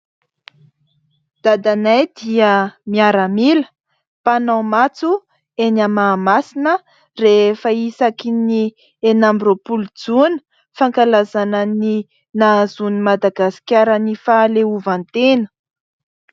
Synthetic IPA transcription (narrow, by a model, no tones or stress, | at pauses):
d̪̥ad̪anajd̪iəmiaɾəmilə̥ | panawmat͡su | enamaːmasinə | refəisakini | enambiɾopulud͡zunə̥ | faŋkalazanəni | nazunimad̪aɡasi̥kʲaɾənifaleuvant̪enə̥